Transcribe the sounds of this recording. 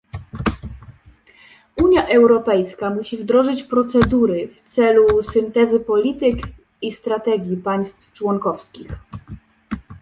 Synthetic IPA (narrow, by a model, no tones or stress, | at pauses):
uɲjaʔɛwɾɔpɛjskamuɕivd̪ɾɔʐɘt͡ɕpɾɔt̪sɛd̪uɾɘft̪sɛlusɘnt̪ɛzɘpɔlʲit̪ɘk | ist̪ɾat̪ɛɡʲjipaj̃st̪ft͡ʂwɔŋkɔfskʲix